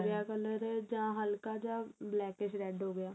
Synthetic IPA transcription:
ɾjakələɾɦɛd͡ʒaãɦɐlkad͡ʒãblɛːkeʃɾɛːɖɦoːɡɐjaː

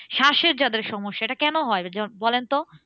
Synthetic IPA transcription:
ʃaʃeɾd͡ʑad̪eɾʃɔmoʃːaeʈakɛnoɦɔed͡ʑabɔlent̪o

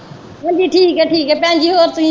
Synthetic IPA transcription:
ʋɐ̃d͡ʑiːʈʰiːkɛʈʰiːkɛpɐ̃ɦɪ̃ɲd͡ʑiːɦoːɾt̪ũĩ

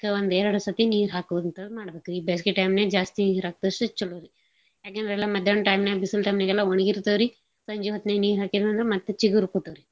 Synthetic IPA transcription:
kɐond̪ɛːɾɐɽɐsɐt̪iniːɾɦaːkuʋud̪ɐnt̪ɐd̪maːɽɐbeːkuiːbeːs̬kiʈɐjmneːd͡ʒaːst̪iɾaːk̚t̪ɐsʈut͡ʃːulːoɾi | jaːkend̪ɾɛlːamɐd̪ʱjɐɳʈɐjmnebisɐlʈɐjmnɐɡɛlːaoɳiɡiɾt̪ɐːɾi | sɐɲd͡ʒiʋɐt̪neniːɾɦaːkid̪ɐnd̪ɾemɐt̪ːet͡ʃiɡuɾkoːt̪ɐʋɾi

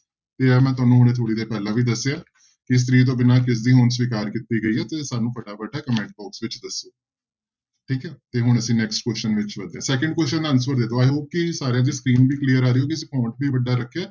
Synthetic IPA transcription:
t̪eːɛːmɛ̃ːt̪ʊaːnũːɦʊɽ̃eːt̪ʰoːɽiːd̪eːpɛːlãːʋiːd̪əsːeaː | kɪs̬t̪ɾiːt̪̬õːbɪnaːkɪs̬d̪iːɦonsʋiːkaːɾkit̪iːɡəiːɦɛːt̪eːsaːnũːpəɖaːbəɖaɛːkəmɛ̃ːɳʈ̚bɔːksʋɪt͡ʃd̪əsːoː | ʈʰiːkɛːt̪eːɦʊɳ̃əsĩːnɛksʈ̚kwɛst͡ʃənʋɪt͡ʃʋəd̪ẽɛ̃ːsɛːkəɳɖ̚kwɛst͡ʃənaːnsʋəɾd̪ed̪oːaːoːkɪsaːɾejãːd̪iːskɾiːnbiːkliːəɾaːɾiːoːkɪs̬ikãːɳʈ̚biːʋəɖaːɾəkʰːeː

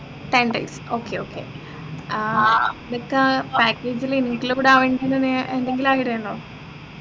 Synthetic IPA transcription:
ʈ̪eɳɖɐ̰jsoːkːeoːkʰːḛ | nɐkːɨpaːkːeːd͡ʑiliniʈːilkuːɽaːʋeːɳɖienːeneend̪eŋɡilaːjiʈejeɳːoː

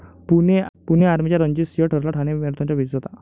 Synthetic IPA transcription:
punepuneaɾmit͡ɕjaɾəɲd͡ʑisjəʈʰəɾlaʈʰañemeɾut̪ʰaɲt͡ɕabʱit͡sd͡zɔt̪a

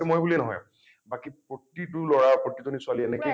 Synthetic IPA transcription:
ɛmojbuliɛnɔɦɔ̰j | bakipɹotːit̬ʊlɔɹapotːitonisʊaliɛnɛki

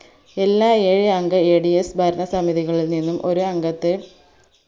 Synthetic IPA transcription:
e̞lːaːeːɻiɐŋɡɐeːɽijesbʱɐɾɐɳɐsɐmiðiɣɐɭilninːumʔo̞ɾuɐŋɡɐt̪ːe

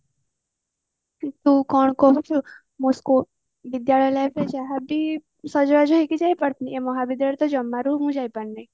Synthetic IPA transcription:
it̪ũkɔɳ̃kɔɦut͡ʃʰu | mosko | ʋɪd̪jaɭəjləped͡ʒaɦabi | sɔd͡ʒʋad͡ʒoɦikid͡ʒajpəɳt̪ʰniemɔɦaʋid̪jaɭət̪od͡ʒəmːaɾuɦũd͡ʒajpəɳnəi

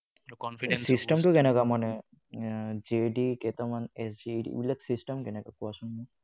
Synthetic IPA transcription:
ɔnisistɛmtʊkɛnɛkamanɛ | d͡ʒeɖikɛtamanɛsd͡ʒiɖḭḭbilaksistɛmkɛnɛkakɔasʊnmɔ̃

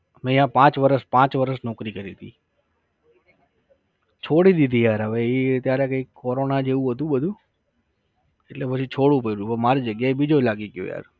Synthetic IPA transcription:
mɛ̃ːɪɦãːpãːt͡ʃʋəɾəspãːt͡ʃʋəɾəsnɔːkɾiːkəɾiːt̪ʰiː | t͡ʃʰoːɽid̪id̪iːjaːɾəʋeːiːt̪jaːɾekəikkːoːɾoːnad͡ʒeːũːɦət̪ũːɓəd̪ʱũː | eʈleːpət͡ʃʰit͡ʃʰoːɽũːpəiɾũːpəmaːɾid͡ʒəɠjaːeɓid͡ʒʱolaːɡeːkjo̰ːja̰ːɾ

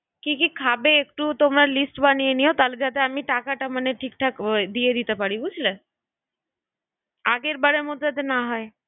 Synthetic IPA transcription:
kikikʰabeek̚ʈut̪omɾaɾlisʈbanijeniot̪aled͡ʑat̪eamiʈakaʈamaneʈʰik̚ʈʰakd̪ijed̪it̪epaɾibud͡ʑʰle | aɡeɾbaɾeɾmot̪d͡ʑat̪̬enaɦɔe

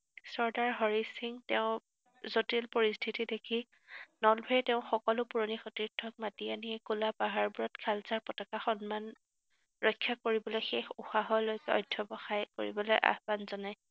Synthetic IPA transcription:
sɔɹdaɹɦɔɹisiŋtɛʊ̃ | zotilpɔɹistʰitidekʰi | nɔlbʱɛjtɛʊ̃xɔkɔlʊpuɹonixɔtiɹtʰːɔk̚matianiɛkulapaɦaɹbuɹɔtkʰalzapɔtakaxɔnman | ɹɔjkʰːakoɹibɔlojxexuxaɦɔlojkɛɔjdʱɔbɔxajko̰ɹḭbɔlojʔa̰hbanzɔnaj

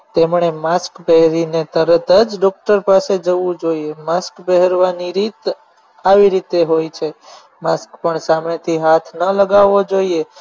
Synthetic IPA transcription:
t̪emɳemaskbɛɦɾinet̪əɾət̪əd͡ʒɖɔk̚ʈəɾpased͡ʒəʋũd͡ʒoiemaskbəɦɛɾʋaniɾit̪ | aʋiɾit̪eɦojt͡ʃʰe | maskpəɳsamet̪ʰiɦat̪ʰnələɡaʋod͡ʒoie

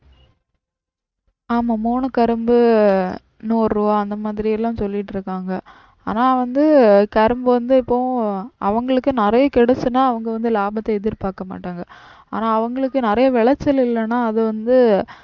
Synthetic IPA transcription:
aːmaːmuːnɯkɐɾɯmbɯ | nuːɾɾuʋaːɐnd̪ɐmaːðɪɾɪjɛlːãːsɔlːɪʈːɪɾɯkːaːŋɡɐ | a̰ːnaːʋɐnd̪ɯkɐɾɯmbɯʋɐnd̪ɯɪpːõʔɐʋɐŋɡɐɭɯkːɯnɪɾɐjɐkɛɽɐt͡ʃːɯnːaːɐʋɐŋɡɐʋɐnd̪ɯlaːbɐt̪ːɐɛðɪɾpaːɾkɐma̰ːʈːaːŋɡɐ | a̰ːnaːɐʋɐŋɡɐɭɯkːɯnɪɾɐjɐʋɛɭɐt͡ʃːɐlɪlːɐnaːɐðɯʋɐnd̪ɯ

